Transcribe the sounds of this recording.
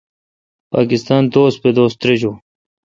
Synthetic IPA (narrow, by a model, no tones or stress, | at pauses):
pa̰ːkɪst̪aːnt̪oːs̚ped̪oːst̪ɾed͡ʑoː